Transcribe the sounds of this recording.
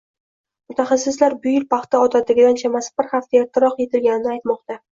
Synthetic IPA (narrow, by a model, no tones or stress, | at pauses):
mʊt̪ʰaχɑsːɪslaɾbʊjɪlpɑχt̪aɒt̪ʰad̪ɪɡʲɪd̪ant͡ʃʰamasɪ̥bɪɾχaft̪ʰajat̪ʰːɪɾɒqje̞t̪ʰɪlɡʲanɪnɪajt̪mɒqt̪a